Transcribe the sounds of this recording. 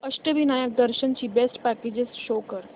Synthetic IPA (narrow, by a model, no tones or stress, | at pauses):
əsʈəʋiːnajək̚d̪əɾɕənt͡ɕiːbesʈpæked͡ʑesʃokəɾ